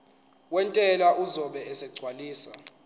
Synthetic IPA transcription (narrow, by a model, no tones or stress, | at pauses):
wɛntʼɛlaʔuzɔɓɛɛsɛɡ͡ǀʱwaliːsa